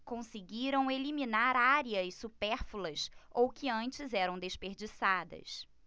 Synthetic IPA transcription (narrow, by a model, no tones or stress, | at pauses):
kõsɪɡiɾɐ̃w̃eliminaɾaɾiɐsupɛɾfulɐsowkɪɐ̃nt͡ʃɪzɛɾɐ̃w̃d̪espeɾd͡ʒisad̪ɐ̰s